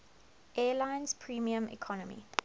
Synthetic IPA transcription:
ʔɛːlãɪ̃nz̥pʰɹiːmiə̃mḭkʰɔnəmḭ

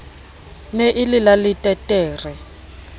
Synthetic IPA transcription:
neʔɪlɪlalɪtʼɛtʼɛːrɛ

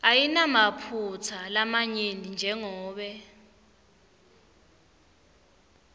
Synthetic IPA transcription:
ajinamapʰut͡sʰalamaɲenind͡ʒʱɛŋɔːɓɛ

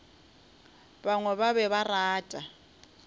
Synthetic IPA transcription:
baŋwɛβaβɛβaraːtʼa

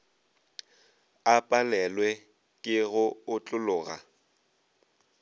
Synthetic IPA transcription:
apʼalɛlwɛ | kʼɪɣʊʊt͡ɬʼʊlʊːɣa̰

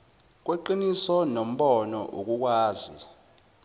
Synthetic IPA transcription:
k̬weǃinisɔnom̩ɓɔnɔʔuk̬ʼuk̬waːzi

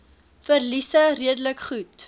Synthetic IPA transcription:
fərlisəriədələkχut

